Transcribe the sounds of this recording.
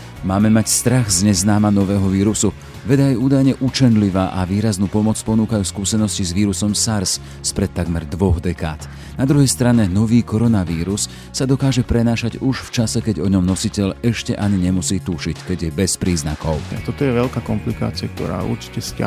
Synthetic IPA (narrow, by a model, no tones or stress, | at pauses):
maːmɛmacst̪ɾaɣzɲɛznaːmanɔʋɛːɦɔʋiːɾusu | ʋɛd̪ajɛuːd̪ajɲɛʔut͡ʃɛnliʋaːʔaʋiːɾaznuːpɔmɔt͡spɔnuːkajuskuːsɛnɔscizʋiːɾusɔmsaɾs | spɾɛt̪ːaɡmɛɾd̪ʋɔɣd̪ɛkaːt̪ | nad̪ɾuɦɛjst̪ɾaɲɛnɔʋiːkɔɾɔnaʋiːɾusː | ad̪ɔkaːʒɛpɾɛnaːʃaɟuʃft͡ʃasɛkɛɟɔɲɔmnɔsicɛʎɛʃcɛʔaɲiɲɛmusiːt̪uʃickɛɟjɛbɛspɾiːzna̰kɔʊat̪ɔt̪ɔjɛʋɛʎkaːkɔmplika̰ːt͡siak̚t̪ɔ̰ɾa̰ːʔṵɾt͡ʃi̥cɛsca̰